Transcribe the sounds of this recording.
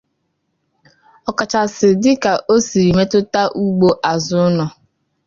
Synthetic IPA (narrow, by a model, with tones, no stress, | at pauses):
ɔ˨ka˨t͡ʃa˨sɪ˨dɪ˦ka˨ʔo˦si˨ɾi˨me˦tʊ˦ta˦ʔu˦ɡ͡bo˦ʔa˨zʊ˦nɔ˨